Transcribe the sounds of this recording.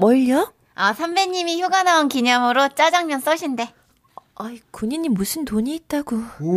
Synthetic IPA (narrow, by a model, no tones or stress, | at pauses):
mʌɭːʌ | asʰambe̞ɲimiçjoɡanaonkiɲʌmɯɾot͡ɕ͈ad͡ʑaŋmjʌns͈ʌɕʰinde̞ | aikuɲiɲːimːusʰɯntoɲiːt̚t͈aɡo